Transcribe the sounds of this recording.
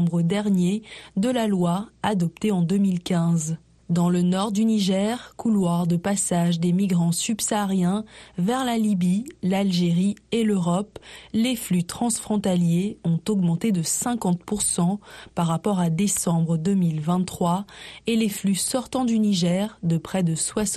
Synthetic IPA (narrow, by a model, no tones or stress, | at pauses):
bʁəd̪ɛʁnjed̪əlalwaad̪ɔp̚t̪eɑ̃d̪ømilkʲɛ̃z | d̪ɑ̃lənɔʁd̪yniʒɛʁkulwaʁd̪əpasaʒd̪emiɡʁɑ̃sybsaːʁjɛ̃vɛʁlalibilalʒeʁieløʁɔpleflyt̪χɑ̃sfχɔ̃t̪aljeɔ̃t̪ɔɡmɑ̃t̪ed̪əsɛ̃kɑ̃t̪puʁsɑ̃paʁːapɔʁad̪esɑ̃bʁəd̪əmilvɛ̃χwaeleflysɔʁt̪ɑ̃d̪yniʒɛʁd̪əpχɛd̪əswas